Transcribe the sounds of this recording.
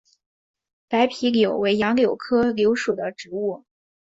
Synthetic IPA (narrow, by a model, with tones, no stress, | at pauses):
pa˧˥ɪpʰi˧˥ljo˨˩ʊwe˧˥ɪjɑ˧˥ŋljo˨˩ʊkʰɤ˥ljo˧˥ʊʂu˨˩d̪ə˦ʈ͡ʂɻ̩˧˥u˥˩